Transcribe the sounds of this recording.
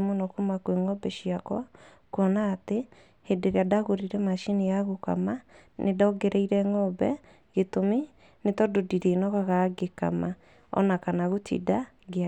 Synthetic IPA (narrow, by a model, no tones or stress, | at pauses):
monɔkumakweŋɔbɛʃiakwa | kɔnaːte | hedeɾeadaɣoɾiɾɛmaʃinejaɣoka̰ma | nʔedɔɡɛɾɛiɾɛŋɔbɛ̰ | ɣetome | netɔdodiɾenɔɣaɣaɡeka̰ma | ɔ̰nakanaɣotʰḭda | ɣea